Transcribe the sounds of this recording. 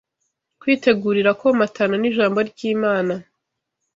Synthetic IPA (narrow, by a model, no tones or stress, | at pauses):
kwiːte̞ɡuɾiɾakomatʰananiʒaːmbo̞ɾɟiːmaːna